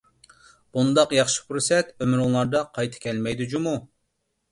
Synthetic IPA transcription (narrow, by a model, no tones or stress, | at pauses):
b̥und̪ɑqjɑχʃi̥pɾusɛt̪ømyɾuŋlˠɑɾd̪ɑqʰɑjt̪ʰɨ̥kʲʰɛlmɛjd̪ud͡ʒumu